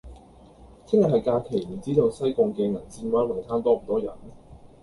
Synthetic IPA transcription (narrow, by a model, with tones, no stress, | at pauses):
t͡sʰɪ˥ŋjɐ˨˩hɦɐ˨jkaː˧kʰe˨˩jm̩˨˩t͡siː˥t̪o˧wsɐ˥jkʊ˧ŋkɛː˧ŋɐ˨˩nt͡siː˧nwaː˥nwɪ˨˩ŋt̪ʰaː˥nt̪ɔː˥m̩˨˩t̪ɔː˥jɐ̰˨˩n